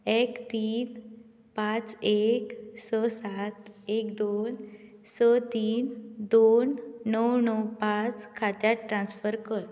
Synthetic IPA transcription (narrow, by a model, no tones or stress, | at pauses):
ekt̪iːn | pat͡seksəsat̪ekd̪on | sət̪iːnd̪onːəwnəwpat͡skʰat̪jaʈɾãnsfəɾkəɾ